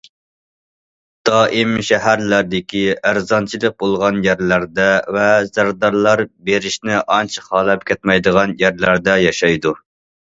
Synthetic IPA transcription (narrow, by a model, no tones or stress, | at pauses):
d̪̥ɑːʔimʃɛɦæɾlæɾd̪ɪkʲʰiæɾzɑnt͡ʃʰilˠɨq̚bolˠʁɑnjæɾlæɾd̪ɛvɛz̥æɾd̪ɑɾlˠɑɾbeɾɪʃnɪʔɑnt͡ʃʰɨqʰɑlˠɛp̚kʲʰɛt̪mɛjd̪əʁɑnjæɾlæɾd̪ɛjɑʃɑjd̪u